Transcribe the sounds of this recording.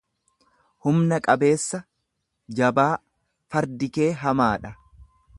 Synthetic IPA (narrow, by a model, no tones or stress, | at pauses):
hʊmnɐkʼɐbe̞ːsːɐ | d͡ʒɐbaː | fɐɾd̪ɪke̞ːɦɐmaːᶑɐ